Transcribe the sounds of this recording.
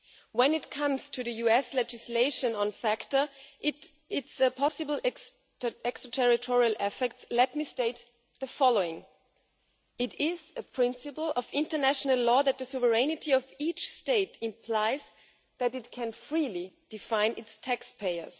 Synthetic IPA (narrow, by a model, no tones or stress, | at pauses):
wɛ̃nɪtkʰʌ̃mz̥tʰɨðɨjuɛslɛd͡ʒɨsleɪʃɨ̃nə̃nfæktə˞ | ɪtsɨpʰɑsɨbl̩ˠ | ɛkstɹ̥ətʰɛɹɪtʰɔɹiəl̩ˠʔɛfɛk̚tslɛt̚misteɪt̪ | ðɨfɑloʊɪ̃ŋ | ɪɾɪzɨpʰɹ̥ɪ̃nsɨpl̩ˠʌvɪ̃ntə˞næʃənəlˠɔːðɨt̪̚ðɨsuvə˞ɛnɨtʰiʌvit͡ʃsteɪtɪ̃mpʰl̥aɪz | ðɨɾɨt̚kʰɨ̃nfɹilid̥ɨfãɪ̃nʔɪtstʰækspʰeɪə̰˞z̥